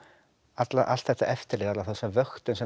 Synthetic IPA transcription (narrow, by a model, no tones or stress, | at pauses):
at̪laʔa̰lt̪θɛht̪ːaʔɛft̪ɪɾliːðat̪laθɛsavœxt̪ʏnsɛ